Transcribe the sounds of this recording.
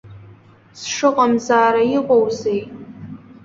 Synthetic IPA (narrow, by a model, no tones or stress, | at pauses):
sʂɨqʼamzaːɾaiqʷʼowzejtʼ